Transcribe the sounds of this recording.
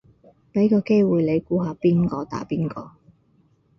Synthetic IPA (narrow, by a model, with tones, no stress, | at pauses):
me˨˧˥jkɔː˧ke˥jwuː˨jle˨˧jkuː˧ɦaː˨˧piː˥nkɔː˧t̪a̰ː˨˥piː˥nkɔː˧